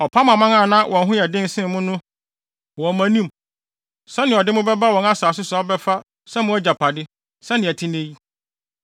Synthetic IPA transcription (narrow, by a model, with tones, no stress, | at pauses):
ɔ˨pʰa˦mã˨mã˦ŋã˦˨nã˦wʔɔ̃˨nɦʊ̃˦jɛ˨dɪ̃˦n˦sɪ̃˦mʊ̃˦nʊ̃˦ | wɔ̃˨mæ̃˨nĩ˦m | sɛ˦nɪ̃˨ɔ˨dɪ˦mʊ̃˦bɛ˦ba˦wɔ̃˨na˦saː˨s̬ʊ˦sa˨˦ɔ˦bɛ˦fa˦ | sɛ˦mʊ̃˦æ˦d͡ʑa˨pʰa˨dɪ˦ | sɛ˦nɪ̃˨æ˨tʰɪ̃˦nẽ˦ji˦